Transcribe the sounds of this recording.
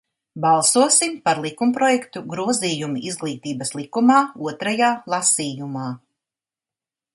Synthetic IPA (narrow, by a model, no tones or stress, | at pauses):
bɑlˠsuɔsimpaɾlˠikumpɾɔjɛkt̪uɡɾuɔziːjumiʔizɡlˠiːt̪iːbɐslˠikumaːuɔt̪ɾajaːlˠasiːjumaː